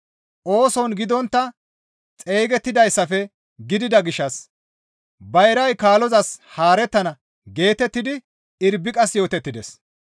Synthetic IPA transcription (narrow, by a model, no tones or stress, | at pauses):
ʔo̞ːsɔnɡɪd̪ɔnt̪ːɐ | t͡sʼeːɡɛt̪ːɪd̪ɐjsːɐfɛ | ɡɪd̪ɪd̪ɐɡɪʃːɐs | bɐjɛɾɐjkaːlɔzɐshaːɾɛt̪ːɐnɐ | ɡe̞ːt̪ɛt̪ːɪd̪ɪ | ɪɾbːɪkʼɐsjo̞ːt̪ɛt̪ːɪd̪ɛs